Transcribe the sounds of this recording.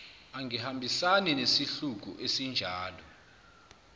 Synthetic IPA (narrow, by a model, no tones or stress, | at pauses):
aŋihambʱisaninesiɬuk̬ṵʔesind͡ʒʱaːlɔ